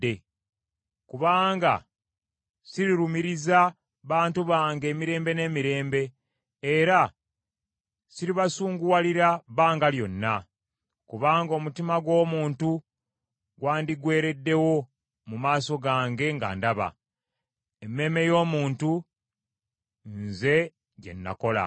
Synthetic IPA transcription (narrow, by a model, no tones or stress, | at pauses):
e | kuβaːŋɡa̰ | siɾiɾumiɾiza | βaːntuβaːŋɡe̞ːmiɾe̞ːmbe̞ne̞ːmiɾe̞ːmbe̞ː | ɾa | siɾiβasuːŋɡuwaliɾaβaːŋɡaljo̞̰nːa̰ | kuβaːŋɡo̞ːmutimaɡwo̞ːmuːntu | ɡwaːndiɡwe̞ːɾe̞dːe̞wo̞ | mumaːso̞ɡaːŋɡe̞ŋɡa̰ːndaβa̰ | emːe̞me̞jo̞ːmuːntu | nze̞ | ɟe̞̰nːa̰ko̞la̰